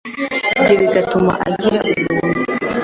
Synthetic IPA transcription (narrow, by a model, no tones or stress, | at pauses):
bɟoβiɡatuma̰ʔa̰ɟiɾaʔuɾuːni